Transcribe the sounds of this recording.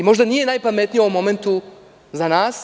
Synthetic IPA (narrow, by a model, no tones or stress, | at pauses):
imo̞ʒd̪anije̞naːjpame̞t̪nijoomːo̞me̞nt̪u | zanaːs